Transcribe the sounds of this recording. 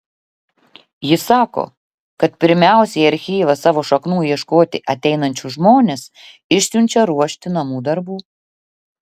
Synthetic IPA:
jɪsɑːko̰ː | kɐt̪pʲɪɾʲmʲæˑʊsʲɛɪɐɾʲxʲiːʋɐsɑːʋoːʃɐknuːjiɛʃkoːt̪ʲɪʔɐt̪ʲɛɪnɐnʲt͡ʃʲʊʒmoːnʲes | ɪʃʲsʲʊnʲt͡ʃʲɛɾuɔʃʲt̪ʲɪnɐmuːd̪ɐɾbuː

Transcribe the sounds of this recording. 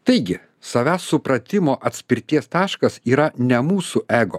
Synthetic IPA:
t̪ɐɪɡʲɪ | sɐʋʲæːsːʊpɾɐt̪ʲɪmoːʔɐt̪ʲsʲpʲɪɾʲt̪ʲiɛst̪ɑːʃkɐsiːɾɐnʲɛmuːsuʔæːɡo̰

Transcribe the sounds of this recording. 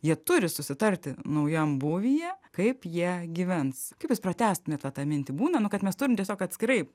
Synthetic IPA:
jiɛt̪ʊɾʲɪsʊsʲɪt̪ɐɾʲt̪ʲɪnɐʊjɛmbʊʋʲijɛkɐɪpjiɛɡʲiʋʲɛnskɐɪpjʊsprɐt̪ʲæːst̪ʊmʲeːt̪ʋɐt̪ɑːmʲɪnʲt̪ʲɪbuːnɐnʊkɐt̪mʲɛst̪ʊɾʲɪmt̪ʲiɛsʲoːkɐt̪ʲsʲkʲɪɾɐɪ

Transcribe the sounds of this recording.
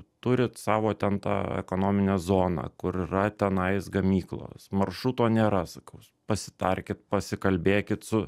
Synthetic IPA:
t̪ʊɾʲɪt̪sɑːʋoːt̪ʲɛnt̪ɑ̰ːɛ̰koːnoːmʲɪnʲeːzoːnɑ̰ːkʊɾɪɾɐt̪ʲɛnɐɪsɡɐmʲiːklˠo̰ːsmɐrʃuːt̪oːnʲeːɾɐsɐkɐʊspɐsʲɪ̥t̪ɐrʲkʲɪt̪̚pɐsʲɪkɐlʲbʲeːkʲɪt̪sʊ

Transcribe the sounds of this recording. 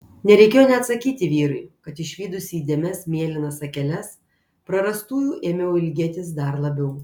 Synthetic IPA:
nʲɛɾʲɛɪkʲeːjoːnʲɛɐt̪sɐkʲiːt̪ʲɪʋʲiːɾɐɪkɐt̪ɪʃʲʋʲiːd̪ʊsʲiːd̪ʲeːmʲɛsmʲeɛlʲɪnɐsɐkʲɛlʲɛs | pɾɐɾɐst̪uːjuːʔeːmʲɛjɛɪlʲɡʲeːt̪ʲɪsd̪ɐɾlˠɐbʲɛʊ

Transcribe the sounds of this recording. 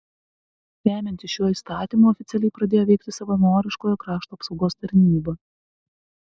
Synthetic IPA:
ɾʲæːmʲɛnʲt̪ʲɪʃʲuɔist̪ɑːt̪ʲimuːɔfʲɪt̪sʲɛlʲɛɪpɾɐd̪ʲeːjoːʋʲɛɪkt̪ʲɪsɐʋɐnoːɾʲɪʃkoːjokɾɑːʃt̪uːɐpsɒʊɡoːst̪ɐɾʲnʲiːbɐ

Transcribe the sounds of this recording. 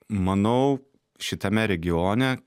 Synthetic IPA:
mɐnɐʊ | ʃʲɪt̪ʲɐmʲɛɾʲɛɡʲɪjoːnʲɛ

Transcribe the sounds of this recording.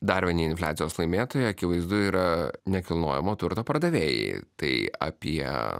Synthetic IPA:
d̪ɐːɾʲʋʲinʲiːɪnflʲæːt̪sʲɪjoːslˠɐɪmʲeːt̪oːjɛɐkʲɪʋɐɪzd̪ʊiːɾɐnʲɛkʲɪlˠno̰ːjɛmoːt̪ʊɾt̪oːpɐɾd̪ɐʋʲeːjɛ̰ɪt̪ɐɪɐ̰pʲiɛ

